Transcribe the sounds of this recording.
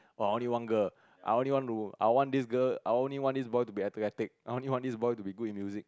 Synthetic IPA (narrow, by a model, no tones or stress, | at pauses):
oajõnliwãnɡəl | ʔa̰jõnliwãntua̰jwɔ̃ndisɡəajõnliwɔ̃ndisbɔjtubiɛtəkɛtik̚ajõnliwãndisbɔjtubiɡut̚ĩnmjuzik̚